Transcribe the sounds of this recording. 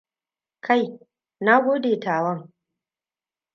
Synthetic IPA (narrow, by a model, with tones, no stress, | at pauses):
kʰa˦˨j | na˦ɡʷoː˦deː˨taː˨wɐ˦ŋ